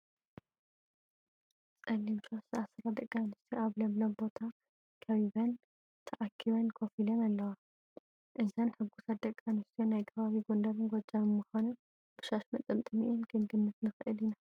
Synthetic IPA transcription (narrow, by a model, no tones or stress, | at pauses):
t͡sʼɐlːimʃosɨasɾad̪ɐkʼːanɨst̪ʰoʔaβlɐmlɐmbo̞t̪ʰa | kʰɐβiβɐn | t̪ʰɐʔakʰːiβɐnkʰofilɐnalːɐwa | ʔɨzɐnħɨɡːusat̪̚d̪ɐkʼːanɨst̪ʰijonajkʰɐβaβiɡond̪ɐβɨnɡod͡ʒaβɨmɨxanu | b̥ɨʃaʃmɐt̪ʼɨmt̪ʼɨmiʔinɡɨnɡɨnːɨt̪nɨxʔɨlina